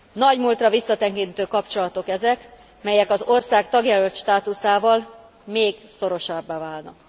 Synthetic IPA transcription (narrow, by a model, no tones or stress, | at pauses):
nɒɟmuːlt̪rɒvisːɒt̪ɛŋkint̪øːkɒpt͡ʃo̞lɒt̪o̞kɛzɛk | mɛjɛkɒzorsaːkt̪ɒɡjɛlølt̪ʃt̪aːt̪usaːvɒl | meːɡso̞ɾo̞ʃɒbːaːvaːlnɒk